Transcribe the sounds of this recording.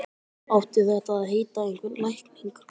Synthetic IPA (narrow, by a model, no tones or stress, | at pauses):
awht̪ɪðɛht̪aðːðɦeːjt̪aejŋkvʏɾlajhkniŋk